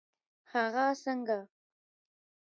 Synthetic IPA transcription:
haɣasəŋɡa

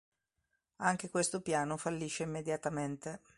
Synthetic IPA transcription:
aŋk̟ekwest̪opjaːnofalːiːʃeimːed̪jat̪ament̪e

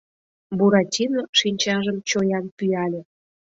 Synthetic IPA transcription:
buɾɑtʲinoʃinʲt͡ɕɑʒəmt͡ɕojɑnpyɑlʲe

